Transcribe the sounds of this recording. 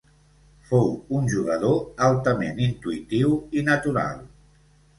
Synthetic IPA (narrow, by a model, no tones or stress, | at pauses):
fowunʲʒuɣəð̞oalˠt̪əmenint̪uit̪iwinət̪uɾa̰lˠ